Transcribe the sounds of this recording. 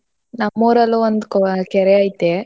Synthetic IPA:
nɐmːuːɾɐluond̪kɔkɛɾeajt̪e

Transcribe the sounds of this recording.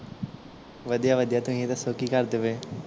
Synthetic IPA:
ʋəd̪ijaʋəd̪ijat̪ʊɦĩet̪asoːkikəɾd̪eʋẽː

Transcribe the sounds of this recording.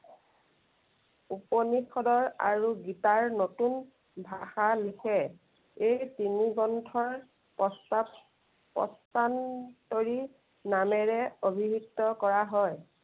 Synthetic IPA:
uponixɔdɔɹa̰ɹuɡitaɹnotun | bʱaxalikʰɛ | ejtiniɡɔntʰɔɹ | pɔs | pɔ̰stantoɹi | namɛɹɛobʱiɦutːɔkɔɹaɦɔj

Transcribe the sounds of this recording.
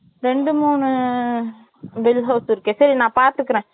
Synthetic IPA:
ɾɛɳɖɯmuːɳɯ | ʋɪlɦɐʊsɪɾɯkːesɐɾinãːpaːɾt̪ɯɾɯkːɐɾẽː

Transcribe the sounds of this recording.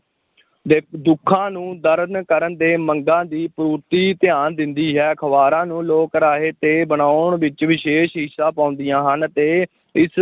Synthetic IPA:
d̪eːd̪ʊkʰːãːnũːd̪əɾnkəɾənd̪eːməŋɡãːd̪iːpɾuːɾt̪iːt̪ɪjaːnd̪ɪnd̪iːɦɛːkʰəʋaːɾãːnũːloːkɾaːɦeːt̪eːbəɳ̃aːʊɳʋɪt͡ʃʋɪʃeːʃɦɪsãːpãːʊnd̪ɪjãːɦənt̪eː | ɪs

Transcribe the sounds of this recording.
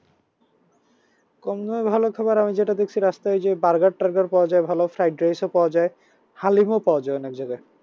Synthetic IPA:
kɔmnoebʱalokʰabaɾamid͡ʑeʈad̪ek̚ʰt͡ɕʰiɾast̪aed͡ʑebaɾɡaɽʈaɾɡaɾpɔwad͡ʑaebʱalofɾajɖ̚ɾejsopɔad͡ʑae | halimopaoad͡ʑaeɔnek̚d͡ʑoɡe

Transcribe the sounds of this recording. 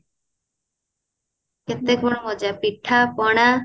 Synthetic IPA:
ket̪ːekmɔɽmɔd͡ʑapiʈʰːapɔɽ̃a

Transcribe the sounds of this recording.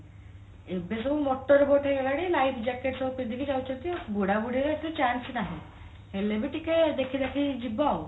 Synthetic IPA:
ebes̬ɔbumɔʈːɔɾeboʈʰeɡelaɽilajpʰd͡ʒɛkeʈsɔpend̪ikid͡ʒawt͡ʃʰɔnt̪ibuɽabuɽiɾet̪et͡ʃansnaɦĩ | helebiʈiked̪ekʰid̪akʰid͡ʒibaw

